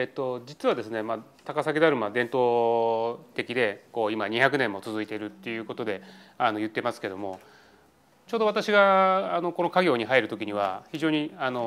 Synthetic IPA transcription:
et̪ːo̞d͡ʑit͡sɨβad̪e̞sɨne̞ma | t̪akasak̬ʲid̪aɾɯ̟mad̪ẽ̞nt̪o̞ː | t̪e̞kʲid̪e̞ko̞ːimaɲ̟içjak̬ɯ̟nẽ̞mːo̞t͡sɨzɨit̪e̞ɾɯ̟t̪ːe̞jɯ̟ːko̞t̪o̞d̪e̞ano̞jɯ̟t̪ːe̞masɨ̥ke̞d̪o̞mo̞ | t͡ɕo̞ːd̪o̞β̞at̪aɕiɡaano̞ko̞no̞kaɡʲo̞ːɲ̟iɦaiɾɯ̟t̪o̞kʲiɲ̟iβaçiʑo̞ːɲ̟iano̞

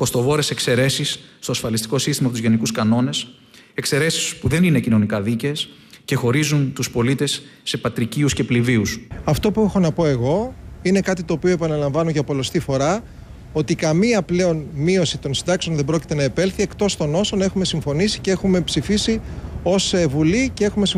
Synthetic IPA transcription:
ko̞st̪o̞voɾese̞kse̞ɾe̞sisːt̪oɐsfɐlist̪i̥ko̞sist̪imɐpouzʝe̞nikuskɐno̞ne̞s | e̞kse̞ɾe̞sispuðe̞nine̞cino̞nikɐðiceːs | ce̞xo̞ɾizunt̪uspo̞lit̪e̞sːe̞pɐt̪ɾiciusce̞pliviusɐft̪o̞pue̞xo̞nɐpo̞e̞ɣo̞ine̞kɐt̪it̪oːpioe̞pɐnɐlɐɱvɐnoʝɐpo̞lo̞st̪ifo̞ɾɐ | o̞t̪ikɐmiɐple̞o̞nmio̞sit̪o̞nsind̪ɐkseonðebɾo̞ci̥t̪e̞nɐepe̞lθie̞kt̪o̞st̪o̞no̞so̞nɐe̞xume̞siɱfo̞nisi̥cee̞xume̞psifisio̞sevulice̞e̞xume̞si

